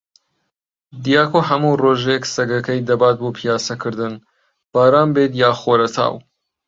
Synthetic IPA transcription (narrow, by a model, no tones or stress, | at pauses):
d̪ijaːkoɦɐmuroːʒeksɐɡɐkɐjd̪ɐbaːt̪̚boːpʰijaːsɐkʰɨɾd̪ɨn | b̥aːɾaːmbeːt̪jaːxoːɾɐt̪ʰa̰ːw